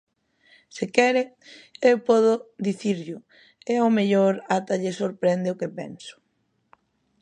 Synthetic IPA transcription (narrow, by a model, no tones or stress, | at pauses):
sɪkɛɾe | ewpɔð̞ʊðiθiɾʎʊ | ɛomeʎoɾat̪aʎesoɾpɾɛnd̪eʊkepɛ̰nsʊ̥